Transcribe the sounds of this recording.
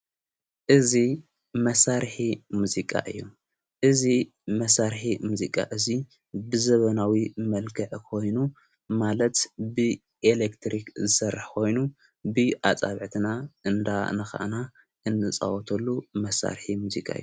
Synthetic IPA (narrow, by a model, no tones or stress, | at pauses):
ʔɨzi | mɐsaɾħimuzikʼa̰ʔɨ̰jːu | ʔɨzi | mɐsaɾħimuzikʼa̰ʔɨzi | bɨzɐβɐnawimɐlkʰɐʕkʰo̞jnu | malɐt̪bɨ | ʔelekt̪ʰɾikzɨsɐrːħkʰo̞jnu | bɨʔat͡sʼaβʕt̪ʰɨnaʔɨnd̪anɨxa̰ʔna | ʔɨnːɨt͡sʼa̰wɔt̪ʰɐlːumɐsa̰ɾħimuzikʼa̰ɨ̰jːu